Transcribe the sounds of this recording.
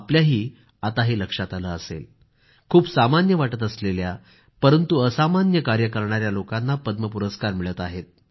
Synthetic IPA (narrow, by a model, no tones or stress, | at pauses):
apljaɦiː | at̪aɦeləkʂat̪aləəsḛl | kʰuːpsamanjəʋaʈət̪əslelja | pəɾənt̪uəsamanjəkaɾjəkəɾɳaɾjalokanːapəd̪məpuɾəskaɾmiɭət̪aɦet̪̚